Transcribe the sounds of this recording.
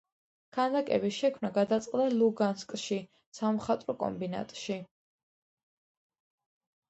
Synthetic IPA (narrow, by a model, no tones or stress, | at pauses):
kʰand̪akʼɛ̰biʃɛkʰmnaɡad̪at̪sʼqʼd̪alˠuɡanskʼʃi | samχat̪ʼɾɔkʼɔ̰mbina̰t̪ʼʃi